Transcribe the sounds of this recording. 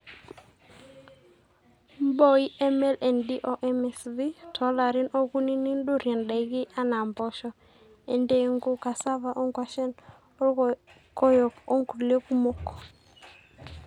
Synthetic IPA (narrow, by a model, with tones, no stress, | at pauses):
mbɔ˦i˦ʔɛ˦mɛ˦lʔɛ˨ndi˦ʔo˦ʔɛ˦mɛ˨sði˦tʰɔ˨˦la˨ɾɪ˦nɔ˦ku˦ni˦ni˦ndo˦ɾjɛ˨nda˨ɪ˦ɡɪ˦ʔa˦na˨mbɔ˦ʃɔ˦ | e˨nde˦ŋɡo˦ka˨sa˦va˦˨ʔɔ˦ŋɡwa˨ʃɛ˦n | kɔ˦jɔ˨ko˦ŋɡu˨le˦ku˦mo˦kɔ̥˨